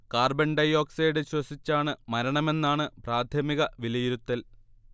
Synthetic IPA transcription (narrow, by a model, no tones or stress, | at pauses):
kaːrbeɳɖɐjo̞ːksejɽɨɕwɐsit͡ɕːaːɳɨmɐɾɐɳɐme̞nːaːɳɨpraːd̪ʱʰjɐmiɣɐʋilɐjiɾut̪ːɐl